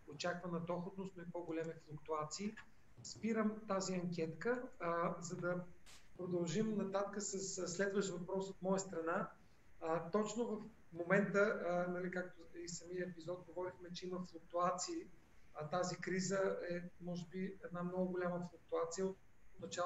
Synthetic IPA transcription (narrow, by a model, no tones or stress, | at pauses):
ot͡ʃakvənɐd̪ɔxot̪nost̪noipoɡolʲɛmiflˠʊkt̪uat̪siː | spiɾəmt̪aziɐŋkʲɛt̪kəzɐd̪ɐ | pɾod̪ɐlˠʒimnɐt̪at̪kəsəssːlɛd̪vəʃt̪vɐpɾɔsot̪mɔjəst̪ɾɐna | t̪ɔt͡ʃnovəf | momɛnt̪ənɐlikak̚t̪oisɐmijəɛpizɔt̪̚ɡovɔɾixmɛt͡ʃɛiməflˠʊk̚t̪uat̪siː | t̪azikɾizəɛmɔʒɛbiɛd̪namnɔɡʊɡolʲaməflˠʊk̚t̪uat̪sijəot̪̚ | nɐt͡ʃa